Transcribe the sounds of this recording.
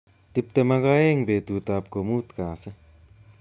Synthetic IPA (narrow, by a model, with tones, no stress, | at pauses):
t̪i˦p̚t̪e˧ma˦ɡa˦e˦ŋbe˨t̪u˨t̪a˨p̚ko˨muː˦t̪kãː˨se˦